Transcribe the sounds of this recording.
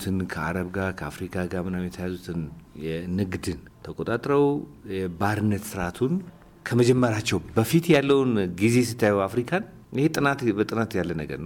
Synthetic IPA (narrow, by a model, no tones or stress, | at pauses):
t̪ʰɨnkʰəa̰ɾəβɡaɾkʰəafɾikʰaɡamɨnamjɛt̪ʰəjazut̪ʰɨnjɛnɨɡd̪ɨnt̪ʰəkʼot̪ʼat̪ʼɾəwjɛbaɾɨnːət̪sɨɾʔat̪ʰun | kʰəməd͡ʒɛmːəɾat͡ʃːɛwbəfit̪jalːəwnɡize̞sɨt̪ːajajafɾikʰan | ɪhet̪ʼɨnat̪bət̪ʼɨnat̪jalːənəɡə̰ɾnəw